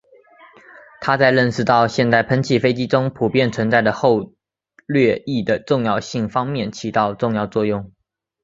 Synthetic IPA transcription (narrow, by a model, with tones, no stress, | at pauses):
t̪ʰa˥t͡sa˥˧ɪɻə˥˩nʂɻ̩˥˧t̪ɑ˥˧ʊɕjɛ˥˧nt͡s̪a˥˩ɪpʰə˧˥nt͡ɕʰi˨˩fe˥ɪt͡ɕi˥ʈ͡ʂʊ˥ŋpʰu˨˩pjɛ˥˩nt͡sʰwə˧˥nt͡sa˥˩ɪd̪ə˩xo˥˧ʊ | lɥɛ˥˧i˥˩d̪ə˩ʈ͡ʂʊ˥˧ŋjɑ˥˧ʊɕi˥˩ŋfɑ˥ŋmjɛ˥˩nt͡ɕʰi˧˥t̪ɑ˥˧ʊʈ͡ʂʊ˥˧ŋjɑ˥˧ʊt͡swɔ˥˧jʊ˥˩ŋ